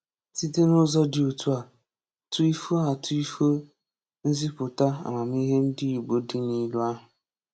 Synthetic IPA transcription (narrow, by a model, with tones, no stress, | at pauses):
si˦te˦nʊ˦zɔ˦dɪ˨o˨tu˦a˨ | tʊ˦i˦fo˦a˨tʊ˦i˦fo˦ | n̩˦zi˦pʊ˨ta˦a̰˨ma˨m˦i˦ɦe˦n̩˦dɪ˦i˨ɡ͡bo˦dɪ˦ni˦la˦ɦʊ˨